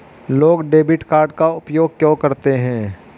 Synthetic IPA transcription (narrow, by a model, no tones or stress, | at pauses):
loːɡɖeːbɪʈkaːɾɖ̚kaʊpjoːɡ̚kjõːkɐɾt̪eɦɛ̃ː